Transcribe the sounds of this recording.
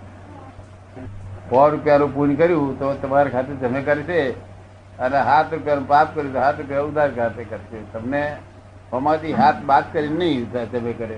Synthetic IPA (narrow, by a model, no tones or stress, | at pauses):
kɔɾʊpjanũpunkəɾjũt̪ot̪əmaɾekʰat̪eɾd͡ʒəmekəɾʃe | əneɦat̪ɾupjanũpaːp̚kəɾjũt̪oɦaːt̪ɾupjaʊd̪ʱaɾekʰat̪ekəɾʃet̪əmne | ɦəmad̪iɦat̪ʰbaːt̪kəɾinnəĩad͡ʒəmekəɾe